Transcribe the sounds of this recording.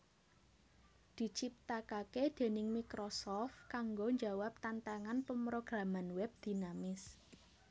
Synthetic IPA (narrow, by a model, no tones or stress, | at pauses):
d̪̥i̤t͡ʃip̚t̪akaked̪̥e̤nɪŋmikɾosɔft̪̚kaŋɡoɲd͡ʒawap̚t̪ant̪aŋanpəmɾoɡ̥ɾamanwɛb̚d̪̥i̤namɪs